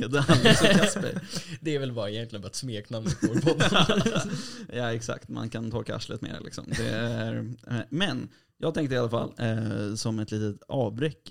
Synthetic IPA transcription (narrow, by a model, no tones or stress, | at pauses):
d̪əalːsspə̰ɾd̪ɛæɾvɛlbɑːɾɪjɛnt̪lɪənbɑːat̪smeːknamːpʰɔd̪ | jɑːɛksa̰kt̪ma̰nkʰant̪ʰɔɾkaʔa̰ʂlə̰t̪mḛːɾlɪ̰ksɔ̰md̪ɛ̰æɾmɛn | jɑːɡt̪ɛŋkt̪əɪalafa̰lːsɔmɛt̪ʰliːt̪ət̪ɑːvbɾɛkː